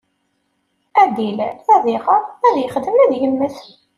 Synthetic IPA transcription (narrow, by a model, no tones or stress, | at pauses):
æd̪ilθæðiʁæðjəχd̪əmnæðjənməθ